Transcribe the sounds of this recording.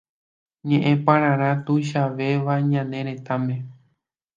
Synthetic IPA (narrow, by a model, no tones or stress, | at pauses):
ɲẽʔẽpãɾ̃ãɾ̃ãt̪ujʃ̬aʋe̞ʋaɲãnẽɾ̃ẽ̞t̪amẽ